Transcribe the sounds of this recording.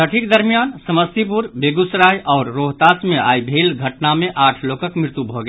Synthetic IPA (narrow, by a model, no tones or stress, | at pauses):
əʈʰikd̪əɾmijaːnsəməst̪ip̬uɾbeːɡʊsɾaːjʔɔːɾːoːɦt̪aːsmẽʔa̰ːibʱeːlɡʱəʈnamẽʔaːʈʰloːkəkmɪɾɪt̪ubʱoɡɐ